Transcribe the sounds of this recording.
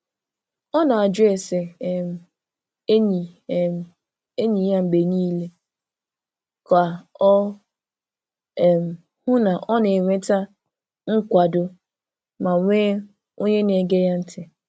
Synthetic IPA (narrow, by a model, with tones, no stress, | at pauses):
ɔ˦na˨a˨d͡ʒe˨sɪ˨m̩˨ | e˦ɲi˨m˨ | e˦ɲi˨ja˦m̩˨ɡ͡be˨niː˦le˦ | ka˨ɔ˦˨ | m̩˨ | hʊ˦na˨ʔɔ˦ne˨ŋʷe˦ta˦ | ŋ̩˦kʷa˨dʊ˨ | ma˨ŋʷe˦ | o˦ɲe˦ne˨ɡe˦ja˦n̩˦tʰɪ˨